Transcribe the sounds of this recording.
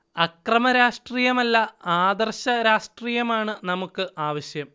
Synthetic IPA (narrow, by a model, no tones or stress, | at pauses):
ɐkrɐmɐɾaːʂʈriːjɐmɐlːɐaːd̪ɐrɕɐɾaːʂʈriːjɐmaːɳɨnɐmukːɨʔaːʋɐɕjɐm